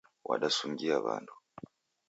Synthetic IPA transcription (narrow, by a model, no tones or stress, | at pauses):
wʔaɗasuŋɡiaβa̰ndu